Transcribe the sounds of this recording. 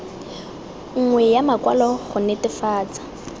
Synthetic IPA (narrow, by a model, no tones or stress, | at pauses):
ŋ̩ŋwɛjamakwalɔχʊnetɪfaːt͡sʼḁ